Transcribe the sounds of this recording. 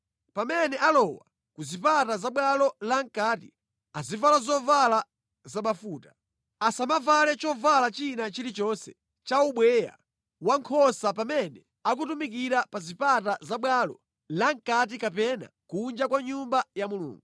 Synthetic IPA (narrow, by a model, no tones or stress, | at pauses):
pamɛnɛʔalɔwa̰ | kuzipatazaɓwalɔlaŋkaːtḭ | azivalazɔvala | zamafuːtḁ | asamavalɛt͡ʃɔvalat͡ʃinat͡ʃilit͡ʃɔnsɛ | t͡ʃauɓwɛja̰ | waŋkʰɔsapamɛnɛ | ak̬utumik̬iɾapazipatazaɓwalɔ̰ | laŋ̩kat̬ikapɛna̰kund͡ʒakwaɲumbajamulṵːŋɡu